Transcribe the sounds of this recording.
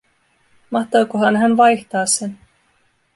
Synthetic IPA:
mɑht̪oːkoɦɑnɦænʋɑjht̪ɑːsen

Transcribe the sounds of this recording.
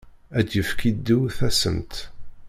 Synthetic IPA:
æd̪jəfkid̪ːuθæsə̰mt̪

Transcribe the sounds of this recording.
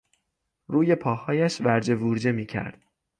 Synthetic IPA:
ruːjepʰɒːhɒːjæʃvæɾd͡ʒe̞vuɾd͡ʒe̞miːcʰæ̰ɾd̪̥

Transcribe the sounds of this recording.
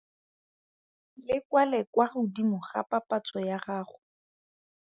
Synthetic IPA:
lɪkwalɛkwarʊdimʊχa̰papat͡sʼɔjaχaːχʊ

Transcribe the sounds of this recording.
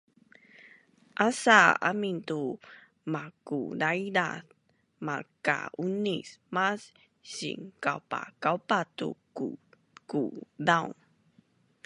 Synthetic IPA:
ʔasaa̰mintu | makṵdaidaθ | maka̰unismas | ɕḭŋkawpa̰kawpatṵku | kudawn

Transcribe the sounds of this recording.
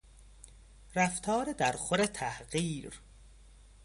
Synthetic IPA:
ræft̪ʰɒːɾed̪æɾxoɾet̪ʰæhɢiːɾ

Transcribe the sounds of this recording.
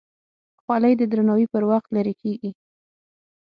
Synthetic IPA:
xwɑlajd̪əd̪ɾanawipəɾwaxt̪laɾekʰeɡi

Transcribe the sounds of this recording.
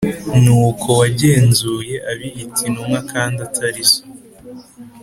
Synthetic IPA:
nuːkʰo̞waɟe̞ːnzuːje̞ʔaβijitʰinumŋakʰaːndatʰaɾiso̥

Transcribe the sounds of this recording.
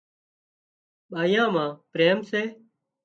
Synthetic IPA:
ɓaːjãːmãːpɾeːmseː

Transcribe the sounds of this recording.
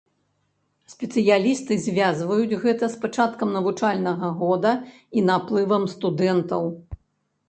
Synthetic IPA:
sʲpʲɛt̪sɨjalʲist̪ɨzʲvʲazvɐjud͡zʲɣɛt̪ɐspat͡ʂat̪kɐmnɐvut͡ʂalʲnɐɣɐɣɔd̪ɐ | inaplˠɨvɐmst̪ud̪ɛnt̪ɐw

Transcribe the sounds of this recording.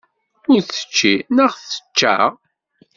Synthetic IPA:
ʊɾθə̥t͡ʃːinəʁθə̥t͡ʃːa̰ʁ

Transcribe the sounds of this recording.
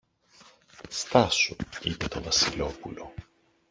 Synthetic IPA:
st̪ɐsuipe̞t̪o̞vɐsilo̞pulo̞

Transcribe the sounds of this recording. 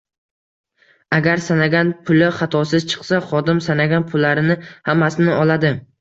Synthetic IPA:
aɡʲaɾsanaɡʲanpʰʊlɪχɑt̪ʰɒsɪz̥t͡ʃʰɨ̥qsaχɒd̪ɪmsanaɡʲanpʰʊlːaɾɪnɪhamːasɪnɪɒlad̪ɪ

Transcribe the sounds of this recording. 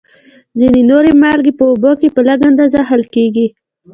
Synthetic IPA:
zinenoɾemɑlɡepəʊbokepəlaɡand̪azahalkeɡi

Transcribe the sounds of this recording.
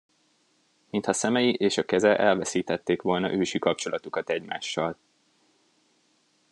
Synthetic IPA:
mint̪hɒsɛmɛjiʔeːʃɒkɛzɛʔɛlvɛsiːt̪ɛt̪ːeːkʋo̞lnɒ̰ʔøːʃikɒp̚t͡ʃo̞lɒt̪ukɒt̪ɛɟma̰ːʃːɒl

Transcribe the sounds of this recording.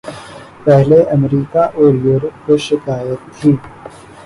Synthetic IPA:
pɛɦleʔɐmɾiːkaʔoːɾjuːɾəpkoʃɪkaːjət̪ʰːiː

